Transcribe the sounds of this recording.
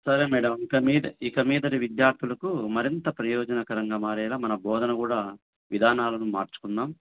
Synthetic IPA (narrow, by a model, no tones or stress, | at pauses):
sɐɾeːmɛːɽɐmikɐmiːd̪ɐikɐmiːd̪ɐniʋid̪jaːɾt̪ʰulɐkumɐɾint̪ɐpɾɐjɔːd͡ʒɐnɐkɐɾɐŋɡaːmaːɾɛːlaːmɐnɐbɔːd̪ɐnɐkuːɽaː | ʋid̪ʱaːnaːlɐnumaːɾt͡ʃu̥kunːaːm